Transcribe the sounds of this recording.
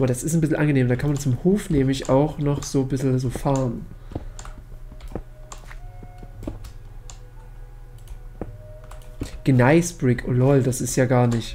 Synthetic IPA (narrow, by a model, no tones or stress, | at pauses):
ʔbɐdasɪstnbɪsl̩ʔanɡəneːmdaːkʰanmant͡sʊmhoːfnɛːmlɪçaʊxnɔχz̥oːbɪsl̩zoːfaːʁən | ɡ̥ənaɪsbʁɪkʰʔolɔld̥asɪstjaːɡaːɐnɪç